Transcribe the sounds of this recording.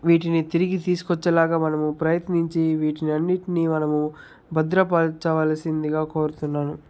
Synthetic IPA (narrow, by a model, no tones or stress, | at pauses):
ʋiːʈinit̪iɾiɡit̪iːsu̥kɔt͡ʃːɐlaːɡaːmɐnɐmupɾɐjɐt̪niɲt͡ʃiʋiːʈiniɐnːiʈinimɐnɐmu | bɐd̪ɾɐpaːlt͡ʃɐʋaːlɐsind̪iɡaːkoːɾut̪unːaːnu